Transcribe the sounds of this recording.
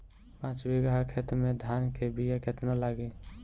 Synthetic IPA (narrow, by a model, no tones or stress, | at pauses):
pãt͡ʃbeɡaɦakʰet̪ɾmed̪ʱankʰebijakʰet̪nalaɡe